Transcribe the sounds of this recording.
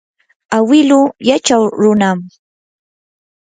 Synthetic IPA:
awɪlʊjat͡ʃawɾʊnam

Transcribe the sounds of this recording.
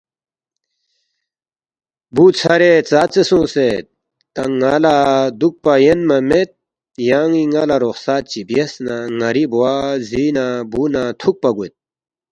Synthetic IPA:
buːt͡sʰɐɾet͡saːt͡sesõːset̪ | t̪ɐŋːalad̪uk̚pajenmɐmet̪̚ | jaːŋiŋalaɾoxsaːt̪̚t͡ɕibjɐsnaŋɐɾibowaːziːnabuːnat̪ʰuk̚pɐɡut̪̚

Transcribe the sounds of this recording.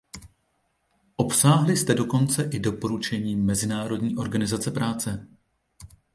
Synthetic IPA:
ʔo̞psaːɦlɪst̪ɛdo̞ko̞nt͡sɛʔɪdo̞po̞ɾut͡ʃɛɲiːmːɛzɪnaːɾo̞dɲiːʔo̞ɾɡanɪzat͡sɛpɾʔaːt͡sɛ

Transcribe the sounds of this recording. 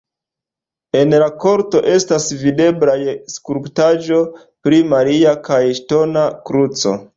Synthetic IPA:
e̞nlako̞ɾto̞ʔe̞stasvide̞blajskuɾptaʒo̞ | pɾimaɾiakajʃto̞nakɾut͡so̞̰

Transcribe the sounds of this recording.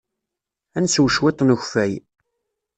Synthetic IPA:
ænswʃwɪt̪ˤːnəçfæj

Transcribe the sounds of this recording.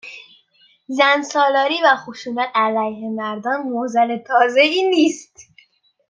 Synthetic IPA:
zænsɒːlɒːɾiːvæxoʃuːnæt̪ʰælæjhe̞mæɾd̪ɒːnmozælet̪ʰɒːzeiːniːst̪

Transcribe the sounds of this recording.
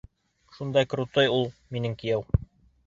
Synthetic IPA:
ʃund̪ɑjkɾut̪ojulˠminɘŋkĭjæw

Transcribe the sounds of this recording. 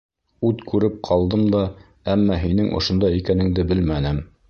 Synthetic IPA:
ʉt̪kʉɾɘp̚qʰɑlˠd̪ɤmd̪ɑ | æmːɑɦinɘŋʔŏ̰ʃŏnd̪ɑjikænɘ̆ŋd̪ɘbɘlmænɘm

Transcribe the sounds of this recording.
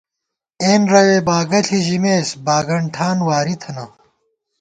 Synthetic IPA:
eːnɾɐweːbaːɡɐɬʰiʑimeːsbaːɡɐɳʈʰaːnwaːɾit̪ʰɐnɐ

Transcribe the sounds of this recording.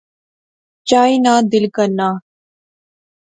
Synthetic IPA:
t͡ʃaːinaːd̪ɪlkənːaː

